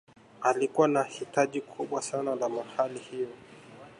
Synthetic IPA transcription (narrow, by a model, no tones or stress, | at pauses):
alikuwanahitaʄikʰuɓwasanalamahalihijɔ